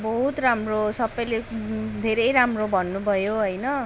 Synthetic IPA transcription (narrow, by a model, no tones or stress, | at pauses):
bʌɦut̪ramrosʌbʌjled̪ʱeɾʌjɾamrobʱʌnːubʱʌjoɦʌjnʌ